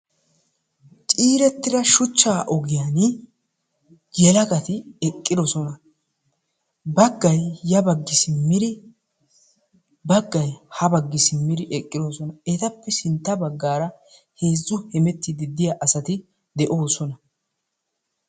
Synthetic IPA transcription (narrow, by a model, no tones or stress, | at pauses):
t͡ʃʼiːɾɛt̪ːɪd̪ɐʃʊt͡ʃːaːʔɔɡɪjan | jɛlɐɡɐt̪ɪɛkʼːɪd̪ɔsɔnɐ | bɐɡːɐjːɐbɐɡːɪsɪmːɪɾɪ | bɐɡːɐjhɐbɐɡːɪsɪmːɪd̪ɪʔɛkʼːɪd̪ɔsɔnɐɛt̪ɐpːɛsɪnt̪ːɐbɐɡːaːɾɐ | he̞ːzːʊhɛmɛt̪ːɪd̪ɪd̪ɪjaʔɐsɐt̪ɪ | d̪ɛʔoːsɔnɐ